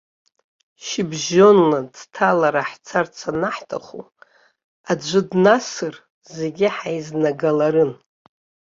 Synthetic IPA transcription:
ʃibʒo̞nladtʰalaɾaħt͡sʰart͡sʰanaħtʰaχṵ | ad͡ʒʷɨdnasɨr | ze̞ɡʲɪħajznaɡalaɾɨn

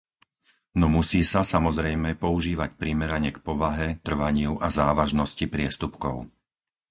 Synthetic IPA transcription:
nɔmusiːsasamɔzɾɛjmɛpɔuʒiːʋacpɾimɛɾaɲɛkpɔʋaɦɛt̪r̩ʋaɲɪuʔazaːʋaʒnɔscipɾɪɛst̪upkɔʊ

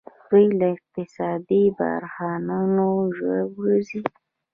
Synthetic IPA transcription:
d̪ujlaɪq̚t̪ɪsɑd̪iba̰ɾxɑnanoʒwabɾuzi

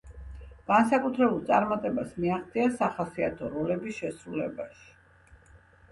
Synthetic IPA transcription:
ɡ̥ansakʼut̪ʰɾɛbulˠt̪sʼaɾmat̪ʼɛbasmiaχt̪sʼiasaχasia̰t̪ʰɔɾɔlɛbisʃɛsɾulɛbaʃi̥

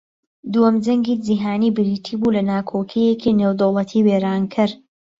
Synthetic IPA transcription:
d̪uɔmd͡ʒɐŋɡiːd͡ʒiɦaːniːbɪɾiːt̪ʰiːbulɐnaːkʰoːkʰijekʰinewd̪owlˠɐt̪ʰiːweːɾaːnkʰɪɾ

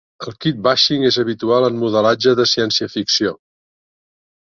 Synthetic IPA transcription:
əlˠkit̪̚baʃiŋezəβit̪ualˠənmuðəlad͡ʒəðəsiɛnsiəfiksijo

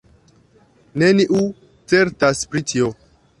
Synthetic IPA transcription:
neniʔu | t͡se̞ɾtaspɾitʰio

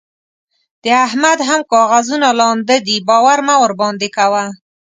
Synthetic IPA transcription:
d̪̥əahmad̪ɦamkɑɣazunalɑnd̪əd̪ibɑwaɾmawəɾbɑnd̪ekawa

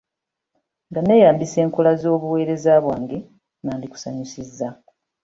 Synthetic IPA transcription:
ŋɡane̞ːjaːmbise̞ːŋkolazo̞ːβuwe̞ːɾe̞zaːβwaːŋɡe | naːndiku̥saɲusizːa

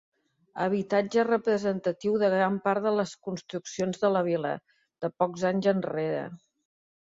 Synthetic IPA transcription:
əβ̞it̪ad͡ʒərəpɾəzənt̪ət̪iwðəɣɾampaɾðələskunst̪ɾuksionzðələβ̞ilə̰ | ð̥əpɔkzaɲzənreɾə̰

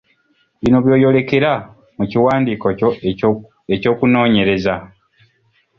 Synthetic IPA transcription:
βino̞βjo̞ːjo̞le̞ke̞ɾa | muciwaːndiːkoo | eco̞ːkuno̞ːɲe̞ɾe̞za

